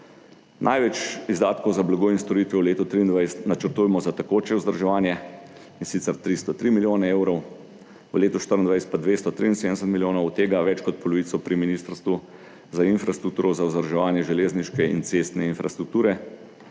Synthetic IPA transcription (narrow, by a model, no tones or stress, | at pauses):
nʔa̰jʋɛt͡ʃizd̪aːt̪kowzablaɡoːinst̪ɔɾiːt̪ʋɛwleːt̪ɔt̪ɾiːnd̪ʋajst̪nat͡ʃəɾt̪ujmɔzat̪akoːt͡ʃɛuzd̪əɾʒɛʋaːnjɛ | insit̪sɛɾt̪ɾist̪ɔt̪ɾimiljoːnɛeːwɾɔw | ʋəleːt̪ɔʃt̪əɾənd̪ʋajsɛ̥t̪pad̪ʋest̪ɔt̪ɾiinsed̪ɛsət̪milʲjoːnɔwt̪eːɡaʋɛt͡ʃkɔt̪̚pɔlɔʋiːt̪sɔpɾiminiːst̪əɾst̪ʋu | zainfɾast̪ɾuk̚t̪uːɾɔzauzd̪əɾʒɛʋaːnjɛʒɛleːzniʃkɛḭnt̪sest̪nɛinfɾast̪ɾuk̚t̪uːɾɛ